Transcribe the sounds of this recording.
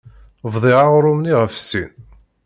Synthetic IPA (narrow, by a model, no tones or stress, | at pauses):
vðˤiʁaʁɾˤʊmniʁəfsin